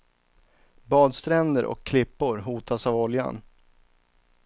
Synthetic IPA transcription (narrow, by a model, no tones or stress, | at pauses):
bɑːd̪st̪ʰɾɛnd̪əɾʔɔ̰kʰːlɪpːʊɾɦuːt̪ʰasavɔlja̰n